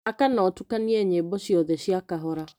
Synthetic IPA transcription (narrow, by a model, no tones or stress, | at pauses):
akanɔtukaniɛɲebɔɕiɔðɛɕjakaɦɔɾa